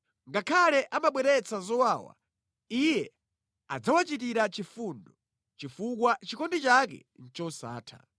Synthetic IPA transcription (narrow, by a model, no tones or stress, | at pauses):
ŋɡakʰalɛʔamaɓwɛɾɛt͡sʰazɔwaːwa̰ | ijɛ | a̰d͡zawat͡ʃit̬iɾat͡ʃifundɔ | t͡ʃifukwat͡ʃikɔndit͡ʃakɛ̰n̩t͡ʃɔsa̰ːtʰa̰